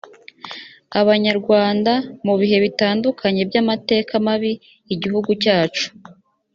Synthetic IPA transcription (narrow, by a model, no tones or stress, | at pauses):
aβaɲaɾɡwaːndamuβiɦe̞βitaːndukʰaɲe̞bjamate̞ːkamaβiː | ɟihuɡucaːt͡ʃu̥